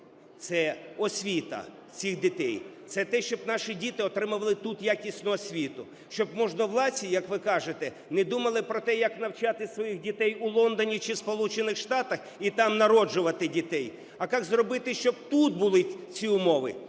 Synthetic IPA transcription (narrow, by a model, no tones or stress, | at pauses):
t̪sɛɔsʲʋʲit̪ɐ̰ | t͡sʲixd̪ɪt̪ɛjt̪sɛt̪ɛʃt͡ʃɔbnɑʃidʲit̪ɪɔt̪ɾɪmʊʋɐlˠɪt̪ut̪jakʲisʲnʊɔsʲʋʲit̪ʊ | ʃt͡ʃɔbmɔʒnɔwlˠɑsʲijɐkʋɪkɑʒet̪ɛ | nɛd̪umɐlˠɪpɾɔt̪ɛjɐknɐwt͡ʃɑt̪ɪsʋɔjixdʲit̪ɛjʊlˠɔnd̪ɔnʲit͡ʃɪspɔlˠut͡ʃenɪxʃt̪ɑt̪ɐx | it̪ɑmnɐɾɔd͡ʒʊʋɐt̪ɪdʲit̪ɛj | ɐkɑkzrɔbɪt̪ɪʃt͡ʃɔb̚t̪ut̪̚bʊlˠɪt͡sʲiʊmɔʋɪ̰